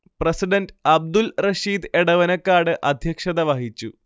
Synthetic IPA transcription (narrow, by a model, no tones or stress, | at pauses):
prɐsiɖɐnɖɐb̚d̪ulrɐɕiːd̪eɽɐʋɐnɐkːaːɽɨʔɐd̪ʱjɐkʂɐðɐʋɐɦit͡ɕːu